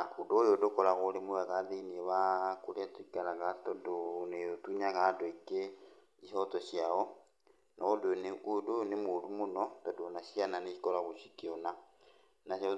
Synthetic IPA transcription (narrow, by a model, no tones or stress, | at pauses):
akudojodokɔɾaɣoɾemowɛɣaðeinieβakoɾeatikalaɣatodonejotuɲaɣadoike | ihɔtɔʃjaɔ | nʔɔodeneʔudonemodumonɔtɔdonaʃiananeikɔɾaɣoʃikiona | naɔ